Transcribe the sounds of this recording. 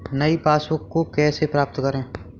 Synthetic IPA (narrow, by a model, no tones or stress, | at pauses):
nɐipaːswəkkokɛːsepɾaːp̚t̪kɐɾẽː